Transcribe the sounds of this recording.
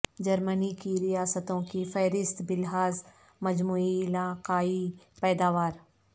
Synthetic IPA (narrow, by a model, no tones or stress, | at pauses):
d͡ʒɐɾmənikiɾijaːsət̪õkifɛːɾɪst̪bɪlɦaːz | mɐd͡ʒmuːiɪlaːqaːi | pɛːd̪aːʋaːɾ